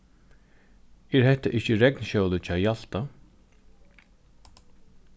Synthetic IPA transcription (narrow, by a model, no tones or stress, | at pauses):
ɛːɾhɛht̪aʔɪht͡ʃəɾɛknʃœwlət͡ʃʰaːjal̥t̪a